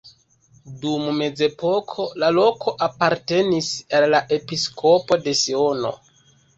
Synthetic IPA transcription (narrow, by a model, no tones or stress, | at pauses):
dumme̞ze̞po̞kʰo̞lalo̞kʰo̞ʔapaɾte̞nisalːaʔe̞piskʰo̞po̞de̞sio̞no̰